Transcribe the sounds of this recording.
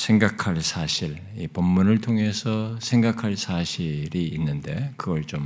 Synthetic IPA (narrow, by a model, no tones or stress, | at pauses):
sʰe̞ŋɡakʰaɭsʰaɕʰiɾ | ipʌmːunɯɭtʰoŋɦe̞sʰʌsʰe̞ŋɡakʰaɭsʰaɕʰiɾiːnːɯnde̞kɯɡʌɭt͡ɕom